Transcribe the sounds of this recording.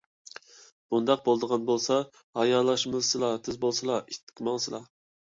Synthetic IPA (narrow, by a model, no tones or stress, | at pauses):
b̥und̪ɑq̚bolˠd̪əʁɑnbolˠsɑ | hɑjɑlˠɑʃmɨzsɨlˠɑt̪ʰɪzbolˠsɨlˠɑʔit̪ʰːɪ̥kʲʰmɑŋsɨlˠɑ